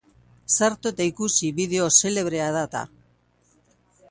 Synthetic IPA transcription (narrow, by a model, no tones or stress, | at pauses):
saɾt̪oet̪aikusiβiðe̞o̞se̞le̞β̞ɾe̞aðat̪a̰